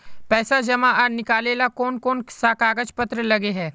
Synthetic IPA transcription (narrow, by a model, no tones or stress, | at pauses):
pɛːsad͡ʒɐmaʔanɪkaːleːlakɔːnkɔːnsaːkaːɡəd͡ʒpɐt̪ɾəlɐɡeɦɛː